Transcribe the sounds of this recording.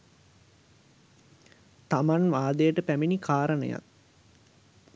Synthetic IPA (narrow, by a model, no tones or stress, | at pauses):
t̪amanʋaːd̪əjəʈəpæminikʰaːɾənə̰ja̰t̚